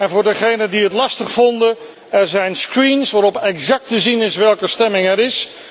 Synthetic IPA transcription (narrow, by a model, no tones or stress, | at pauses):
ɛnvʊːɹdəχejnəndiɦətlɑstəχfɔndə | ɛɹzɛjnskɹinsʋaːɾɔpɛkzɑk̚təzinɪsʋɛlˠkəstɛmɪŋɛɾɪs